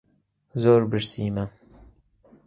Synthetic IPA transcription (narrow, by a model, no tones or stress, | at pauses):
zoːɾbɨɾsiːmɐ